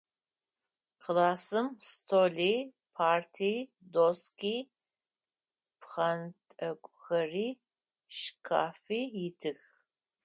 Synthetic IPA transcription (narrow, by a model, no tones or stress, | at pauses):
qlaːsɨmstʰoːɮi | pʰaːrtʰiː | doskiː | pχɐntʼɐkʷʼʊxɐriː | ʃkʰaːfiːjɪtʰɨx